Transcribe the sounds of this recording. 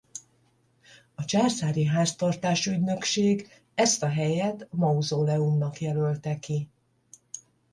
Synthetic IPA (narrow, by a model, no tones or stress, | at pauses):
ɒt͡ʃaːrsaːɾiɦaːst̪ɒrt̪aːʃyɟnø̞kʃeːɡ | ɛst̪ɒɦɛjɛt̪mɒuzoːlɛumnɒkjɛlø̞lt̪ɛki